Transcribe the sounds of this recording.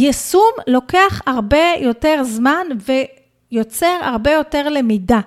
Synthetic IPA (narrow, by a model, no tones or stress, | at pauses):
jesumlo̞ke̞aχhaʁbe̞jo̞te̞ʁzmanve̞ | jot͡seʁha̰ʁbe̞jo̞te̞ʁle̞mida